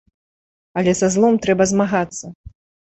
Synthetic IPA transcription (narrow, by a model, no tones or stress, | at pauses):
ɐlʲɛzazlˠɔmt̪ɾɛbɐzmaɣat̪sːɐ